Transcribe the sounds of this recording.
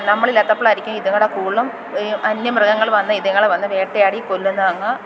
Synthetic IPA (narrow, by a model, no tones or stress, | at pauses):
nɐmːɐɭilːaːt̪ːɐpːoːɭɐɾikʲːumiðɐŋːɐɽekuːɭːɐm | ʔɐnjɐmrɐɡɐŋːɐɭʋɐnːɐiðɐŋːɐɭeʋɐnːɐʋeːʈːejaːɽikolːunːɐʋɐŋːɐ